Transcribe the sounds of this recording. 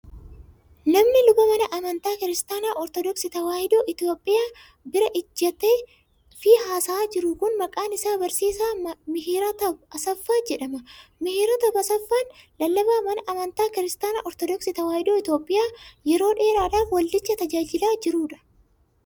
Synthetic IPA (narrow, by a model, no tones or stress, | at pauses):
nɐmnɪlʊbɐmɐnɐʔɐmɐnt̪aːkɪɾɪst̪aːnaːʔɔɾt̪ɔd̪ɔksɪt̪ɐwaːhɪd̪oːʔɪt̪joːpʼːɪjaː | bɪɾɐʔɪd͡ʒːɐt̪eː | fɪhaːsaːd͡ʒɪɾʊkʊnmɐkʼaːnɪsaːbɐɾsiːsaːmɪɦiːɾɐt̪ɐbɐsɐfːaːd͡ʒɛᶑɐmɐmɪhiːɾɐt̪ɐbɐsɐfːanlɐlːɐbaːmɐnɐʔɐmɐnt̪aːkɪɾɪst̪aːna̰ːʔɔɾt̪ɔd̪ɔksɪt̪ɐwaːhɪd̪oːɪt̪jo̞ːpʼːɪjaːjɛɾo̞ːᶑe̞ːɾaːᶑaːfwɐlːɪt͡ʃːɐt̪ɐd͡ʒaːd͡ʒɪlaːd͡ʒɪɾuːᶑɐ̥